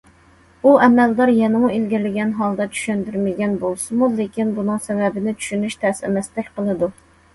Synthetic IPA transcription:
uʔɛmɛld̪ɑɾjɛnɨmuilɡʲiɾlɪɡʲɛnɦɑlˠd̪ɑt͡ʃʰy̥ʃønd̪yɾmɪɡʲɛnbolˠsɨmulekʲinbunɨŋsɛvɛbɪnɪt͡ʃʰy̥ʃynyʃt̪ʰɛsɛ̰mɛst̪ɛkʲqəlˠɨd̪u

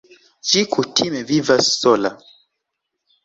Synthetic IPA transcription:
t͡ʃikʰutʰimɛvivasɔla

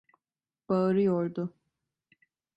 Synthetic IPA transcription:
b̥aɾɯjoɾd̪ʊ

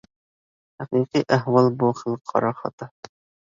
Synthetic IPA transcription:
hæqiqiʔæɦwɑlˠbuχɘlˠqʰːɑ̰ɾɑχɑ̰t̪ɑ

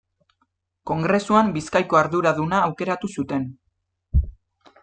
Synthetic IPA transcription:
ko̞ŋɡɾe̞suambiskajko̞aɾðuɾaðunaːwke̞ɾat̪usut̪e̞n

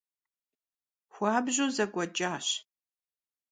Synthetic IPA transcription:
xʷaːbʑoːzɐɡʷɐt͡ʃʼaːɕ

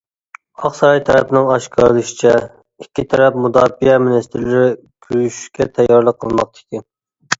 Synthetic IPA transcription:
ɑχsɑɾɑjt̪ʰɛɾɛpɪnɪŋɑʃkʲʰɑɾlˠɨʃɪ̥t͡ʃʰɛ | ikʲʰːit̪ʰɛɾɛp̚mud̪ɑːfijɛmɪlɪst̪ʰɪɾlɪɾɪ | kʲʰyɾyʃy̥ʃkʲɛt̪ʰɛjːɑɾlˠəqʰːəlˠmɑq̚t̪ʰɪ̥kʲʰi

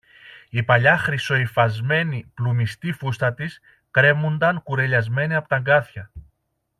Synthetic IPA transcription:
ipɐʎɐxɾiso̞ifɐzme̞niplumist̪ifust̪ɐt̪is | kɾe̞mund̪ɐŋkuɾe̞ʎɐzme̞niɐpo̞t̪ɐŋɡɐθçɐ

